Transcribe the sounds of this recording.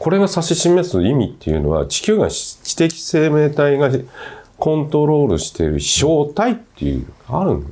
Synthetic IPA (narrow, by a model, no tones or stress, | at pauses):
ko̞ɾe̞ɡasaɕiɕime̞sɨimʲit̪ːe̞̰jɯ̟̰no̞̰βa̰t͡ɕi̥kʲɨːɡa̰t͡ɕi̥t̪e̞kʲi̥se̞ːme̞ːt̪aiɡakõ̞nt̪o̞ɾo̞ːɾɯ̟ɕi̥t̪e̞̰ɾɯ̟ɕo̞ːt̪ait̪ːḛjɯ̰aaɾɯ̟̰̃nd̪